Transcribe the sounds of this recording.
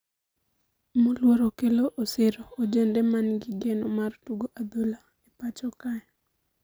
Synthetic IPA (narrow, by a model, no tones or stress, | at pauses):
molwoɾokeloʔosɪɾoːd͡ʒendɛmanɡiɡenomartuɡoʔad̪ola | epat͡ʃɔkaj